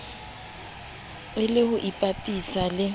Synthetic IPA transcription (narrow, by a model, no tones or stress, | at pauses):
ɪlɪhʊʔipʼapʼisalɪ